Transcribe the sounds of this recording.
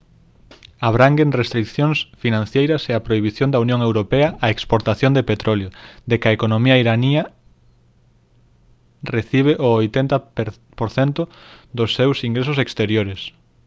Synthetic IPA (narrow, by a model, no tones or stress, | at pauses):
aβɾaŋɡeŋrest̪ɾikθjoŋsfinãn̟θjejɾɐseapɾoiβ̞iθjõnd̪ɐunjõŋewɾopɛɐʔaekspoɾt̪aθjond̪epet̪ɾoljod̪ekɐekonomiaiɾaniɐ | reθiβeʔoojt̪ent̪ɐ | poɾθent̪ʊd̪osːewsiŋɡɾesʊsekst̪eɾjoɾes